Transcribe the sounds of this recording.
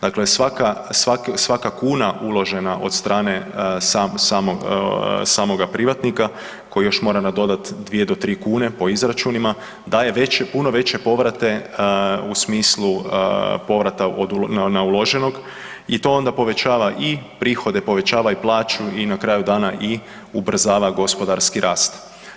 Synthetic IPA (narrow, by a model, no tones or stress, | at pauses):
d̪akle̞sʋakasʋaksʋakakuːnaʔulˠo̞ʒe̞naʔo̞d̪st̪ɾaːne̞sasaːmoɡsaːmo̞ɡapɾiʋat̪nika | ko̞jijo̞ʃmoɾanad̪o̞d̪at̪d̪ʋije̞d̪o̞t̪ɾiːkuːne̞po̞izɾat͡ʃunima | d̪aːjeʋet͡ʃepunoʋe̞t͡ɕe̞po̞ʋɾat̪e̞ | usmiːslˠupo̞ʋɾat̪aod̪unnaulo̞ʒe̞no̞ɡ | it̪o̞o̞nd̪apo̞ʋe̞t͡ɕaːʋaʔipɾiːxo̞d̪epo̞ʋe̞t͡ɕaːʋaiplˠaːt͡ʃuinakɾaːjud̪aːnaʔi | ubr̩zaːʋaɡo̞spo̞d̪aɾskiɾʔaːst̪